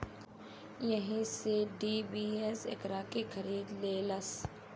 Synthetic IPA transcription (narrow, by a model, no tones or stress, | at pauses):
jɐɦĩseɖiːbiːesɪ̰kɾaːkekʰɐɾiːd̪leːlɐs